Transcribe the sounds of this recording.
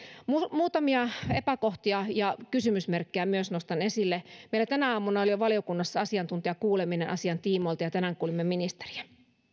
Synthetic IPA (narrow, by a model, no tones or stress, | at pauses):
mumuːt̪ɑmiɑepækoht̪iɑjɑkysymysmerkːejæmyøsnost̪ɑnesilːemeilæt̪ænæɑːmːunɑoljoʋɑljokunːɑsːɑɑsiɑnt̪unt̪iɑkuːleminenʔɑ̰siɑnt̪iːmoilt̪ɑjɑt̪ænæŋkuːlimːeminist̪e̥ri̥æ̥